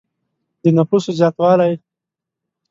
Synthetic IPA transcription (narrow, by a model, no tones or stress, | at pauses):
d̪ənapusozɑːt̪wɑːlaj